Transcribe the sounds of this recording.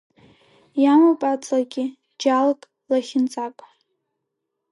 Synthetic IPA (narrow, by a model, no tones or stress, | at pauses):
jamupʼat͡sʼlaɡʲɪ | d͡ʒalkʼ | laχʲɪnt͡sʼakʷʼ